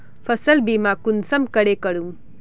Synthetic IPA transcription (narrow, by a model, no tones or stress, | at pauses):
fʰɐsəlbimakunsɐmkəɽekəɽum